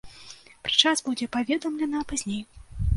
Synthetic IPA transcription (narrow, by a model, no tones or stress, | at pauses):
pɾɨ̥t͡ʂasbud͡zʲɛpavʲɛd̪ɐmlʲɛnɐpazʲnʲej